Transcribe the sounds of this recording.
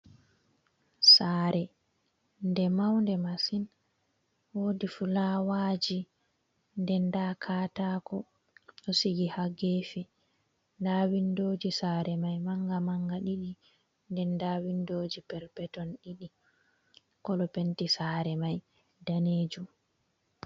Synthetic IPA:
saːɾɛ | ndɛmawndɛmasin | woːdifulaːwaːd͡ʒi | ndɛndakʰaːtaːkɔ | ɗɔsiɡihaɡefi | ndawindoːd͡ʒisaːɾɛmajmaŋɡamaŋɡaɗiɗi | ndɛndaːwindoːd͡ʒipɛɾpɛtɔnɗiɗi | kɔlɔpentisaːɾɛmaj | daneːd͡ʒum

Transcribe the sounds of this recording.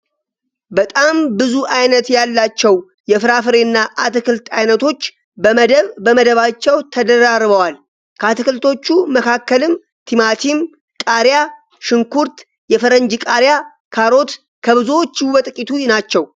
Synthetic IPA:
bət̪ʼambɨzuʔajnət̪jalːat͡ʃːɛw | jɛfɨɾafɨɾenːaʔat̪ɨkɨlt̪ʰajnət̪ʰo̞t͡ʃː | bəməd̪əβbəməd̪əβat͡ʃːɛwt̪ʰəd̪əɾaɾβəwal | kʰəat̪ɨkɨlt̪ʰo̞t͡ʃːuməkʰakːəlɨm | t̪ʰimat̪ʰim | kʼaɾja | ʃɨŋkuɾt̪ | jɛfəɾəɲd͡ʒɨkʼaɾja | kʰaɾo̞t̪ | kʰəβɨzuwot͡ʃːbət̪ʼɨkʼit̪ʰunat͡ʃːɛw

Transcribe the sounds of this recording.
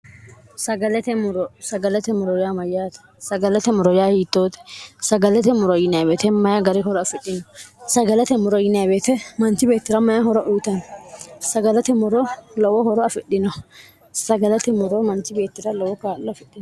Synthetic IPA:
sɐɡɐlɛt̪ɛmʊɾɔsɐɡɐlɛt̪ɛmʊɾɔjaːmɐjːaːt̪ɛ̥ | sɐɡɐlɛt̪ɛmʊɾɔjaːhiːt̪ːoːt̪ɛ̥sɐɡɐlɛt̪ɛmʊɾɔjɪnabeːt̪ɛmɐjɐɡɐɾɪɦɔɾɔɐfɪɗɪnɔsɐɡɐlɛt̪ɛmʊɾɔjɪnɐjbeːt̪ɛmɐnt̪ɪbe̞ːt̪ːɪɾɐmɐjɐhɔɾɔʔuːt̪ɐnsɐɡɐlɐt̪ɛmʊɾɔlɔwɔhɔɾɔɐfɪɗːɪnɔ | sɐɡɐlɐt̪ɛmɔɾɔmɐnt̪ɪbe̞ːt̪ːɪɾɐlɔwɔkaːlːɔfɛɗːɪn

